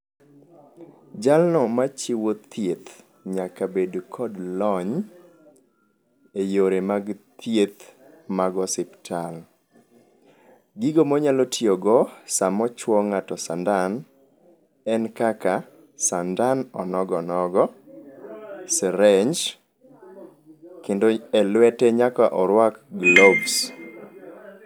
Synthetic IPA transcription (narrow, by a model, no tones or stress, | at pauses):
d͡ʒalnɔmat͡ʃiwot̪jet̪ | ɲakabedkʰɔdlɔɲ | ejoɾemaɡt̪jet̪ | maɡɔsɪptʰal | ɡiɡomɔɲalɔtioɡɔsamɔt͡ʃwɔŋatɔsandan | ɛnkaka | sandanɔnɔɡɔnɔɡɔ | sɛɾɛɲd͡ʒ | kendoɛlwɛtɛɲakaʔɔɾwakɡlɔbs